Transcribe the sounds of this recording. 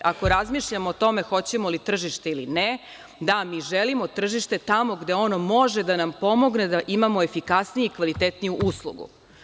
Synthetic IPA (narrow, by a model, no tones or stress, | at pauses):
ako̞ɾazmiʃʎamoːt̪o̞me̞xo̞t͡ɕe̞mo̞lit̪r̩ʒiʃt̪eilḭne | d̪amiːʒelimo̞t̪r̩ʒiʃt̪e̞t̪amo̞ɡd̪eo̞no̞mo̞ʒe̞d̪anampo̞mo̞ɡne̞d̪aʔimamo̞efikasnijuikʋalit̪et̪nijuʔuslˠṵɡṵ